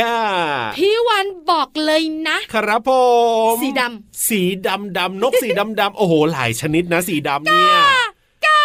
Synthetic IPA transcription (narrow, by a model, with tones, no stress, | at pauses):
a˥˧˩pʰiː˧˥˩wa˧nbɔː˨˩k̚lɤː˧jna˦˥ʔkʰa˧ɾa˦˥pʰo˨˧miː˨˩˦da˧msiː˩˦da˧mda˧mno˦˥k̚siː˩˦da˧mda˧mʔoː˧˩hoː˨˩la̰ː˩˦jt͡ɕʰa˧ni˦˥t̪̚na˦˥siː˨˩˦da˧mni˦˥˩ | ka˧